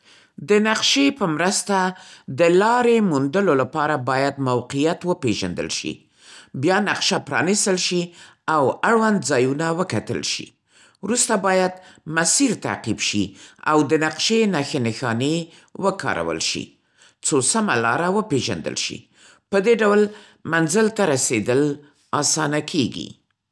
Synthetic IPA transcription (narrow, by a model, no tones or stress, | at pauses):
d̪ənaqʃepəmɾəst̪ad̪əlɑɾemund̪əlolapɑɾabɑjad̪mawqijat̪wəpeʒa̰nd̪ə̰lʃḭ | bjɑnaqʃapɾɑ̰nist̪əlʃi | awaɽwand̪zɑjunawəkat̪ə̰lʃḭ | wɾust̪abɑjad̪masiɾt̪a̰qibʃia̰wd̪ənaqʃenaxenɪxɑne | wəkʰɑ̰ɾʔa̰wə̰lʃḭ | t͡sosamalɑɾawəpeʒa̰nd̪ə̰lʃḭ | pəd̪eɖawl | manzəlt̪aɾased̪əl | ɑsɑnakʰeɡḭ